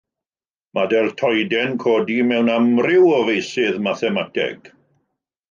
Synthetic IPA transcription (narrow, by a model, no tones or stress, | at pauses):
madɛlˠtʰɔjdɛnkʰoːdimɛwnamrɪwɔvejsɪðmaθɛmatʰɛ̰ɡ̥